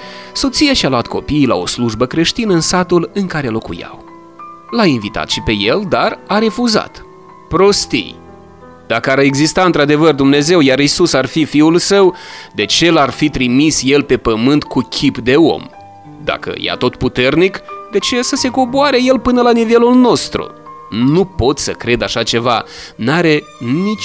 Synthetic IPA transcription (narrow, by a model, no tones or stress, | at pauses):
so̞t̪sijaʃialoat̪kʰo̞̰piːjla̰o̞̰sluʒbəkɾe̞ʃt̪inəɨnsat̪ulɨŋkaɾe̞lo̞kṵja̰w | lainvit̪a̰t̪ʃipe̞je̞ld̪araɾe̞fuza̰t̪ | pɾo̞st̪ḭj | d̪̥akəaɾe̞ɡzist̪aɨnt̪ɾad̪e̞vərd̪umne̞ze̞wjaɾisusarfifiulsəwd̪e̞t͡ʃe̞larfit̪ɾimisje̞lpe̞pəmɨnt̪kukʲʰipd̪e̞o̞̰m | d̪a̰kə̰ja̰t̪o̞t̪put̪e̞rnikd̪e̞t͡ʃesəse̞ko̞boaɾe̞je̞lpɨnəlanive̞lulno̞st̪ɾṵ | nupo̞t̪səkɾe̞d̪aʃat͡ʃe̞vanaɾe̞ | nit͡ʃ